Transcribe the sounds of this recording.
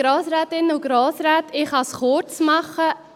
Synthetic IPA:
ɾɔːsɾæːt̪ɪnːəuɡ̥ɾoːsɾæːt̪ɪχɑsχʊt͡smɑχə

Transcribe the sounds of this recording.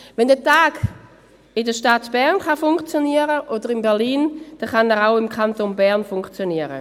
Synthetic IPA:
vɛndɛtaːɡ | ɪdəʃtatb̥ɛʁnχafʊŋkt͡sjoniəɾəʔodəʁɪmbɛʁliːnd̥ɛχanɛʁaʊɪmkʰχantonbɛɐnfʊŋkt͡sjoniəɾə̰

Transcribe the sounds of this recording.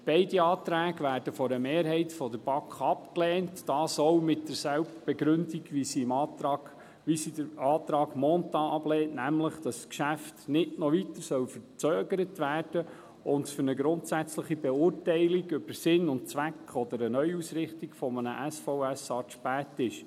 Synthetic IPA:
b̥ɛɪdiɑːt̪ɾæːɡʋæːɾd̥əfɔɾəmeːɾɦɛɪtfɔdəɾb̥ɑkχɑpklɛːntːɑːsɔʊmɪtdəɾsælbb̥ɛɡɾɵndiɡʋisiɪmɑ | ʋisidɑːt̪ɾɑːɡmɔntɑʔɑblɛːtnæmləχd̥̪ɑsːkʃæftnɪʔnɔʋit̪əɾsœwfəɾt͡søːɡəɾətʋæːrd̥ə | ʊntfʏɾnəɡɾʊntsæt͡sləχibɛʊːrtɛɪliɡʏb̥əɾsɪnʊntt͡sʋækχɔd̪əɾənœʏusɾɪχtiɡ̥fɔmənə̰ʔæsfɔʊæsɑːʃpæːtɪʃ

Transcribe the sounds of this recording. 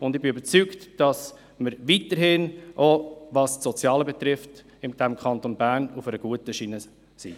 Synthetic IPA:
ʊndɪχbɪybəɾt͡syktd̥ɑs | məɾvitəɾɦɪnʔovɑstsɔt͡sjɑːləbɛt̪ɾɪft | ɪmd̥ɛmkʰɑntonbæɾnufɛɾəɡ̥uətəʃiːnə | sḭ

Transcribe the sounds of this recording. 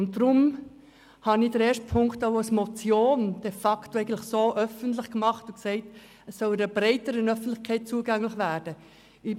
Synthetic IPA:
ʊnt̚dɾʊm | hɑniːdəɾeːɾʃtpʰʊŋktaʊasmot͡sjoːnd̥efɑktoɛɪɡəntlɪxsoːʔœfəntlɪχkmɑχtʊksɛɪt | əsːɔlɪɾəb̥ɾɛɪtəɾənœfən̩tlɪxkʰɛɪt̚t͡suəɡæŋlɪχvæːɾd̥ə | i

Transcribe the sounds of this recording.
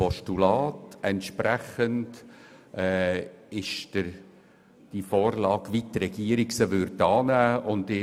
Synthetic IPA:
pɔʃtulɑːtɛntʃpɾæχəntʔɛːɪʃd̥ɪɾ | d̥ifoːɾlɑːɡʋitrɛɡiəɾiɡsəʋʏɾtɑːnæːʔʊndɪ

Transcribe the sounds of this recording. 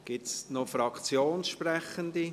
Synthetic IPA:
ɡ̥ɪtsnɔfɾɑkʰt͡sjoːnsʃpɾɛχənd̪i

